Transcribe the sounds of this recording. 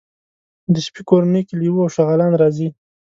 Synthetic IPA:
d̪əʃpikoɾanejkeliwuawʃaɣɑlɑnɾɑzi

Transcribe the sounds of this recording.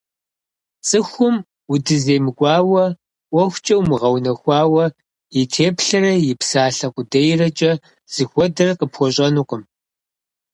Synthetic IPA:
t͡sʼɨxʷʊm | ʊdɨzeːmɨɡʷɑːwɐ | ʔʷɔxʷt͡ʃʼɐwmɨʁɐwnɐxʷɑːwɐ | jɪtʰeːpʰɬɐrɐjɪpsaːɬɐqʷʼʊdɐjrɐt͡ʃʼɐ | z̥ɨxʷɔdɨrqəpxʷɔɕʼɐnuqʊm

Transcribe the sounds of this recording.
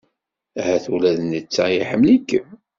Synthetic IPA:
æhæθulæðənit͡sːæjiħəmlikːəm

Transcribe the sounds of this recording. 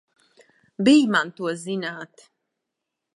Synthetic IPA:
bijmant̪uɔzinaːt̪

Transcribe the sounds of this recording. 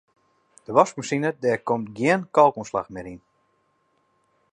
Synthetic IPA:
d̥əʋɔskmusinədɛːkomtɡjɪənkɔlˠkunsla̰xmɪɾin

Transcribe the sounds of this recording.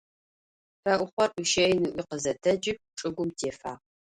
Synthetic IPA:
fɐʔʷʊχʷɔruʃejnɨʔʷiqəzɐtʰɐd͡ʒɪp̚ʈ͡ʂʼɨɡʷʊmtʰeːfa̰ːʁ

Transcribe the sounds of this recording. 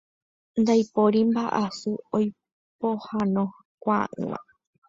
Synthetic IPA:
nd̪ajpoɾimbaʔasuoj | pohanõ | kʷaʔɨ̰̃ã̰

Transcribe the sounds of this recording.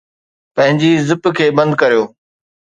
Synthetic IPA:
pɐ̃ɦɪ̃ɲd͡ʑizɪpkʰeːbɐ̃nd̪kɐɾijoː

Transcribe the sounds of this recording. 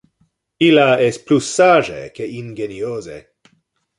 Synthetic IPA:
ilaesplusːaʒḛkeinɡeniozḛ

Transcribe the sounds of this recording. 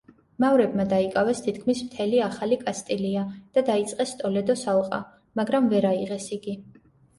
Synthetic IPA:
mavɾɛb̚mad̪aikʼavɛst̪ʰit̪ʰkʰmismt̪ʰɛliaχalikʼast̪ʼiliad̪̥ad̪ait̪sʼqʼɛst̪ʼɔlɛd̪ɔsalˠqʼa̰ | maɡɾamvɛɾaiʁɛsiɡi

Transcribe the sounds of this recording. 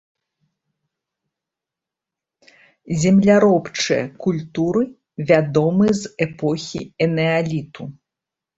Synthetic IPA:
zʲɛmlʲaɾɔpt͡ʂɨjɐ̰kulʲt̪uɾɨ | vʲad̪ɔmɨzɛpɔxʲḭɛnɛalʲit̪u

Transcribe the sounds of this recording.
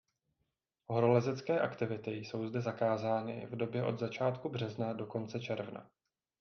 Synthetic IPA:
ɦoɾolɛzɛt͡skɛːʔakt̪ɪvɪt̪ɪjso̞wzdɛzakaːzaːnɪ̰vdo̞bjɛʔo̞d̪zat͡ʃaːt̪kubr̝ɛznado̞ko̞nt͡sɛt͡ʃɛɾvna̰

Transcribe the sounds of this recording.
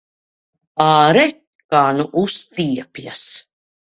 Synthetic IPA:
aːɾɛ | kaːnuʔust̪iɛpjas

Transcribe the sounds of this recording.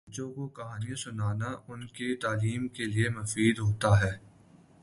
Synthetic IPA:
t͡ʃõkokɐɦaːnijãsʊnaːnaʔʊnket̪aːliːmkeliemʊfiːd̪ɦoːt̪aɦɛː

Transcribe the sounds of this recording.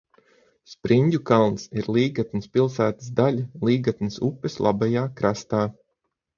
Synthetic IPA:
spɾiɲʲdʲukalˠnsiɾlˠiːɡat̪nispilˠsæːt̪ə̥zd̪alʲalˠiːɡat̪nisupːeslˠʔa̰bajaːkɾast̪aː

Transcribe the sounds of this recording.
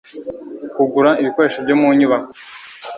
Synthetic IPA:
kuɡuɾaiβiko̞ɾe̞ʃobɟomuɲiβa

